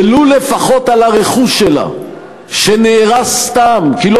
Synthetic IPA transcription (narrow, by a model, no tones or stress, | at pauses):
lulefaχo̞t̪alaʁeχuʃːela̰ | ʃeneːʁast̪amkilo